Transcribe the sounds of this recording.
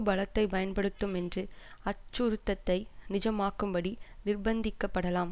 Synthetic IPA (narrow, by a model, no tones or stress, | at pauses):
bɐɭɐt̪ːɐɪpɐjɐnpɐɽɯt̪ːɯmɛndrɯɐt͡ʃːʊɾɯt̪ːɐt̪ːɐɪnɪd͡ʒɐmaːkːɯmbɐɽinɪrbɐnd̪ɪkːɐpːɐɽɐlaːm